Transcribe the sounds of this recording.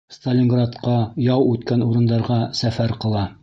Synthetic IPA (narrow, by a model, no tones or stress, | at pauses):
st̪ɐlʲɪŋɡrat̪qɑjɑwʉt̪kænuɾɤ̆nd̪ɑɾʁɑsæfæɾqɤ̆lˠɑ